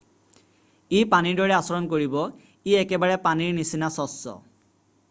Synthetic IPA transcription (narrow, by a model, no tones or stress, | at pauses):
ijpaniɹdɔɹɛasɔɹɔnkoɹibɔ | iɛkɛbaɹɛpaniɹnisinasɔsːɔ̰